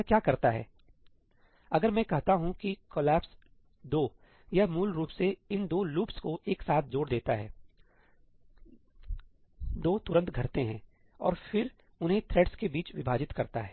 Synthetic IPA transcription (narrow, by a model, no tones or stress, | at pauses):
kjaːkɐɾt̪aɦɛ̰ː | ɐɡəɾmɛ̃ːkɐɦt̪aɦũkikoːlɛːps | d̪oː | jamuːlɾuːpseɪnd̪oːluːpskoʔeːksaːt̪̚ʰd͡ʒoːɽd̪eːt̪aɦɛ̰ː | d̪oːt̪ʊɾə̃nt̪ɡʱɐɾt̪eɦɛ̃ː | ɔ̰ːɾfɪɾ | ʊnɦẽt̪ʰɾeːɖskebiːt͡ʃʋɪbʱaːd͡ʒɪt̪kɐɾt̪aɦɛː